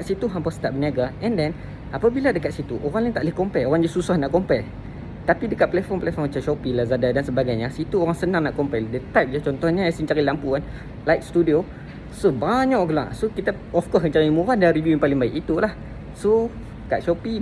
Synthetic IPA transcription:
t̪sit̪uɦampɔst̪aʔ̚bəniaɡaɛ̃ndɛn | apabiladəkat̪̚sit̪uʔoɾaŋɲat̪aʔlihkɔmpɛoɾaŋd͡ʒususahnaʔkɔmpɛl | t̪apidəkat̪̚pəlɛfɔmpəlɛfɔmat͡ʃaʃɔpilazadadansəbaɡajɲasit̪uoɾaŋsənãŋnaʔkɔmpɛldət̪ajp̚d͡ʒat͡ʃɔnt̪ɔhɲasiɲt͡ʃaɾilampuan | lajk̚st̪udio | sobaɲaʔɡəla̰ʔsokit̪a | ɔfkɔskəɲt͡ʃaɾimũɾadanribjupalɪŋbaɪkit̪ulah | so | kaʔʃɔpi

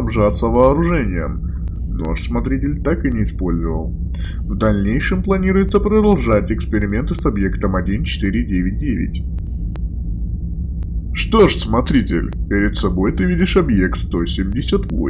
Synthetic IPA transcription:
ɐbʐat̪sːəvɐːɾʊʐɛnʲɪjə̰m | no̞̰ʂsmɐt̪ɾʲitʲɪlʲt̪akɨnʲɪːspo̞lʲzəvəlˠ | vd̪ɐlʲnʲejʂɨmplˠɐnʲiɾʊjɪt̪səpɾəd̪ɐlˠʐatʲɪkspʲɪɾʲɪmʲe̞nt̪ɨsɐbje̞kt̪əmɐdʲint͡ɕɪ̥t̪ɨɾʲɪdʲevʲɪt̚ʲdʲevʲɪ̰tʲ | ʂt̪o̞ʂsmɐt̪ɾʲitʲɪ̰lʲpʲɪɾʲɪt̪sɐbo̞jt̪ɨvʲidʲɪʂɐbjekt̪st̪o̞sʲɪmʲdʲɪsʲət̪vo̰

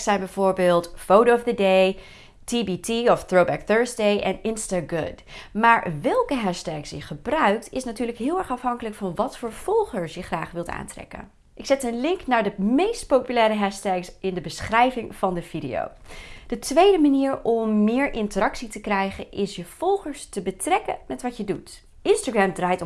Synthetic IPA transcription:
sɛjnbɛjv̥ʊːɹbɪːlˠtfowtoɔfdədej | tibitiɔfθɹowbɛkθøːɹsdejʔɛnɪnstaɡʊ̰d | maːɹʋɛlˠkəɦɛʃtɛksjəχəbrœɥk̚tɪsnatyːɹləkɦɪːlˠɛɹχɑfɦɑŋkələkfɑnʋɑtfəːɹv̥ɔlˠχəɹsjəχraːχʋɪlˠta̰ːntrɛ̰kə̰n | ʔɪksɛtənlɪŋknaːɹdəmejst̚powpylɛːɾəɦɛʃtɛksɪndəbəsχrɛjvɪŋv̥ɑndəv̥idḛjo̰wd̥ətʋejdəmaniːɹɔmːɪːɹʔɪntərɑksitəkrɛjχənʔɪsjəv̥ɔlˠχəɹstəbətrɛkə̰mɛtʋɑtjədut | ɪnstaːɡɹɛmdraːjt

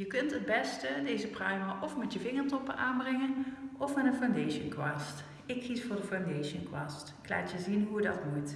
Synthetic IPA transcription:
jəkɵntɦəd̚bɛstədejzəprœɥmaʔɔfmɛtjəvɪŋəɹtɔpənʔaːnbrɛŋənɔfmɛnənfawndejʃənkwaːst | ɪkːisfʊːɹdəfawndejʃənkwaːstɪkla̰ːtjəzinɦujədɑ̰tmut

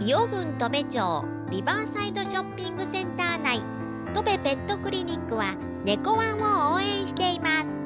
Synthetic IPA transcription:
io̞ɡɯ̟̃nt̪o̞be̞t͡ɕo̰ː | ɾʲibaːsaid̪o̞ɕo̞pʲːĩŋɡɯ̟sẽ̞nt̪aːnai | t̪o̞be̞be̞t̪ːo̞kɯ̟ɾʲiɲ̟ʲikːɯ̟βa | ne̞ko̞βãɰ̃ooːẽ̞ɰ̃ɕi̥t̪e̞imasɨ̥

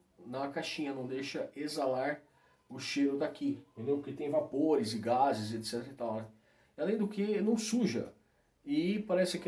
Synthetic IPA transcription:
nɐkaʃĩɲɐnɐ̃w̃d̪ejʃɐezalaɾ | ʊʃeɾʊd̪akĩt̪ẽnd̪ẽwʊkɪt̪ẽj̃vapoɾɪzɪɡazɪzet̪sɛt̪eɾɪt̪awnɛ | alẽj̃d̪ʊkʰɪnɐ̃w̃suʒɐ̰ | ɪpaɾɛsɪk

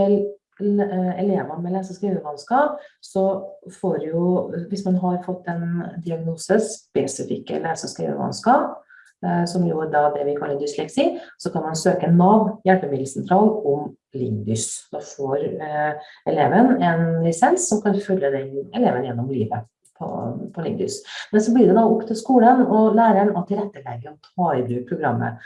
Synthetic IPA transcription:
ɛl | ɛleːʋɑnmɛlæːsəskɾiːʋəʋɑnskɑːpsɔfoːɾjʊʋɪsmɑnɦɑɾfɔt̪ːɛnd̪ɪɑɡnuːsəspɛsɪfɪ̰kːə̰læːsɔskɾḭːʋə̰ʋɑ̰nskɑːp | sɔmjʊɖɑd̪ɛʋɪkʰɑlːəd̪ʏslɛksɪsɔkʰɑnmɑnsøːkənɑʋjæɭpəmɪd̪l̩sɛnt̪ʰɾɑːlɔm | lɪŋd̪ʏsd̪ɑːfoːɾ | ɛleːʋənɛnɾɛsɛnsːɔmkʰɑnfœljəd̪ɛɛleːʋənjɛnːɔmliːʋə | pʰɔ̰pʰɔlɪ̰ŋd̪ʏ̰smɛnsɔblɪɖɛd̪ɑʊkt̪əskuːlənɔlæːɾəɛnɔt̪ʰɪlɾɛt̪ːəlɛɡːəɔt̪ʰɑːɪbɾʉːpʰɾʊɡɾɑmːə̰

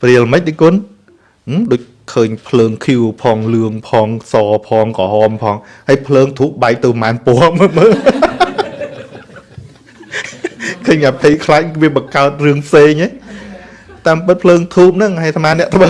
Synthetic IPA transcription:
priəlməc̚ɗɨkŭən | ɗoːc̚ | kʰəːɲpʰləːŋkʰjuwpʰɑːŋlɨəŋpʰɑːŋsɑːpʰɑːŋkɑhɑːmpʰɑːŋ | həjpʰləːŋt̪ʰuːp̚ɓaɛk̚t̪ɨwmaːnpoəməməː | kʰəːɲʔapʰejkʰlac̚ʋiəɓɑkaət̪̚rɨəŋpʰseːŋʔe | t̪aːmpɨt̪̚pʰləːŋt̪ʰuːp̚nɨŋhajt̪ʰmaːnɛ̆ət̪ʰɓə

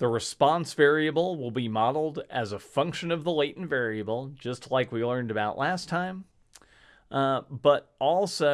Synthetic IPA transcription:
ðəɹɨspɑ̃nsv̥ɛɹiɨbl̩ˠwɪlˠbimɑɾl̩ˠdɨzəfʌ̃ŋkʃɨ̃nʌvðəleɪɾn̩vɛɹiɨbl̩ˠd͡ʒʌstʰˡlaɪkwilɜ̃˞ndɨbaʊʔlæstʰãɪ̃m | b̥ʌɾʔɔlˠsoʊ

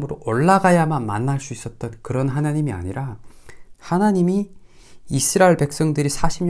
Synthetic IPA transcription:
mɯɾoʔʌɭːaɡajamanma̰nːaɭs͈uis͈ʌt̚t͈ʌnkɯɾʌnɦanaɲimia̰ɲiɾa | hanaɲimi | isʰɯɾaeɭpe̞k̚s͈ʌŋdɯɾisʰaɕʰimɲ

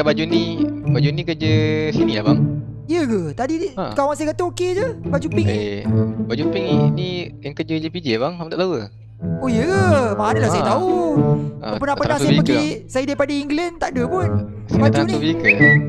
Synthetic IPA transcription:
kabad͡ʒunibad͡ʒunĩkəd͡ʒəsiniabaŋ | ijəɡət̪adiakawaŋsajəkat̪əoked͡ʒəbad͡ʒupɪŋebad͡ʒupɪŋinijaŋkəd͡ʒəd͡ʒipid͡ʒebaŋamt̪aʔt̪awə | oijəɡəmaɦanilasajət̪au | apənapənaŋsajəipəkɡisajədaipadəiŋɡlɛnt̪aʔdəpʊn | sbat̪d͡ʒutniuviikə

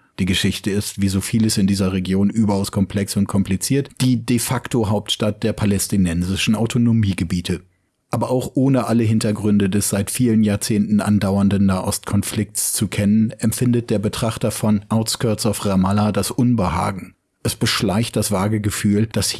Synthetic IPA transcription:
d̥iːɡəʃɪçtəɪstv̥iːzoːfiːləsɪndiːzɐʁeɡjoːnʔyːbɐaʊskʰɔmpʰl̥ɛksʊnt̚kʰɔmplit͡siːɐtd̥iːdefaktoɦaʊp̚tʃtat̚d̥eːɐpʰalɛstinɛnzɪʃn̩aʊtʰonomiːɡəbiːtʰə | ʔaːbɐʔaʊxʔoːnəʔaləɦɪntɐɡʁʏndədɛsz̥aɪtfiːlənjaːɐt͡seːntn̩ʔa̰ndaʊɐndn̩naːʔɔstkʰɔnflɪk̚tst͡sukʰɛnənʔɛmfɪndət̚d̥eːɐbətʁ̥aχtɐfɔnʔaʊskʰœɐsaʊfʁamaladasʔʊnbəha̰ːɡŋ̩ | ʔɛsb̥əʃlaɪçt̚d̥asv̥aːɐɡəɡəfyːld̥as

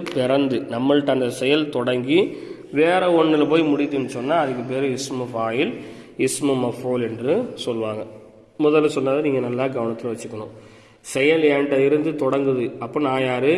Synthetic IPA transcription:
pɪɾɐnd̪ɯnɐmːɐɭʈ̪ːaːnd̪ɐsɛjɐlt̪ɔɽɐŋɡi | ʋeːɾɐɔɳːɪlɐpoːjmʊɽɪt̪ːɯɛnːɯsɔnːaːɐðɯk̬ːɯp̬eːɾɯɪsmɯʋaːjɪl | ɪsmɯmɐfoːlɛndrɯsɔlːʋaːŋɡɐ | mʊðɐlsɔnːaːðɐniːŋɡɐnɐlːaːɡɐʋɐɳɐt̪ːɪlɐʋɐt͡ʃːɯkːɐɳʊ̃ | sɛjɐleɳɖɐɪɾɯnd̪ɯt̪ɔɽɐŋɡɯðɯɐpːoːnaːjaːɾɯ

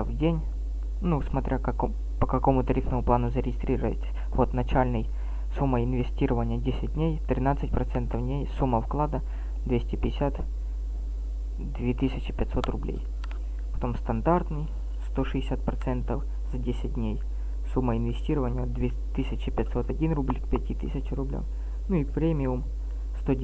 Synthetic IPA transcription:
vdʲenʲ | nusmɐt̪ɾʲakɐk | pəkɐko̞mʊt̪ɐɾʲifnəmʊplˠanʊzəɾʲɪɡʲɪst̪ɾʲiɾəvə̰tʲ | vot̪nɐt͡ɕælʲnɨj | sumːəɪnvʲɪsʲtʲiɾəvənʲɪjədʲesʲɪt̚ʲd̪ʲnʲejt̪ɾʲɪnat̪sɨtʲpɾɐt̪sɛnt̪əvnʲejsumːəfklˠad̪ə | d̪vʲesʲtʲɪpʲɪdɪsʲat̪ | d̪vʲet̪ɨsʲɪt͡ɕɪpʲɛt̪ʲso̞t̪rʊblʲḛj | pɐ̥t̪o̞mst̪ɐnd̪art̪nɨj | st̪oʂɨɪsʲat̪̚pɾɐt̪sɛnt̪əf | zɐdʲesʲɪt̚ʲdʲnʲej | sumːəɪnvʲɪsʲtʲiɾəvənʲɪjəd̪vʲe | t̪ɨsʲɪt͡ɕɪpʲɪt̪ʲso̞t̪ɐdʲinrublʲkpʲɛtʲit̪ɨ̰sʲɪt͡ɕɪɾʊblʲa̰m | nuipɾʲemʲɪʊm | st̪o

